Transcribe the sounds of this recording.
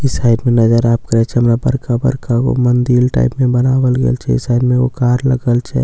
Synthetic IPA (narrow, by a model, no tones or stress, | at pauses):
ɪsaɪɖmẽnəd͡ʒəɾaːp̚kəɾɛt͡ʃʰɛɦəmɾabəɾkabə̰ɾkako̰mənd̪ilʈa̰ːɪpmẽbənaːwəlɡḛːlt͡ʃʰɛ̰ɪ̰saɪɖmẽokaːɾləɡəlt͡ʃʰɛ̰